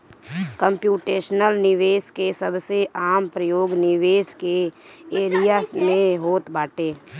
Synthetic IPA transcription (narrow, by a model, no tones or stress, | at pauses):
kə̃mpjuːʈeːʃnəlnɪʋeːskesəbseʔaːmpɾəjoːɡnɪʋeːskeeːɾijaːsmẽɦoːt̪baːʈeː